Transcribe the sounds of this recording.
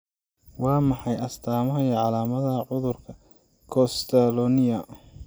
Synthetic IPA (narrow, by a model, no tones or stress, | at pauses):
wɑːmɑħɑjɐst̪ʰaːmɐɦɐjɛʕɑlaːmɐðɐʕʊðʊrkʰɐ | kʰɔst̪ʰalɔnɪjɐ